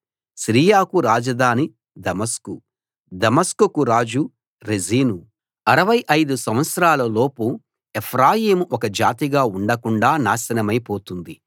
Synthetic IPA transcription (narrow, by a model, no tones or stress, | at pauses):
ʃɾiːjaːkuɾaːd͡ʒɐd̪ʱaːni | d̪ɐmɐsku | d̪ɐmɐskukuɾaːd͡ʒu | ɾeziːnu | ɐɾɐʋɐjʔɐjd̪usɐ̃m̃ʋɐt̪sɾaːlɐloːpu | epʰɾaːjiːmuʔɔkɐd͡ʒa̰ːt̪iɡaːuɳɖɐkuɳɖaːnaːʃɐnɐmɐjpoːt̪und̪i